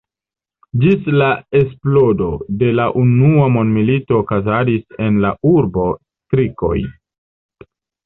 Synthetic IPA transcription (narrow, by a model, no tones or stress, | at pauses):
d͡ʒislae̞s̬plo̞do̞de̞laʔunuamo̞ndmilito̞ːkazadise̞nlauɾbo̞stɾiko̞̰j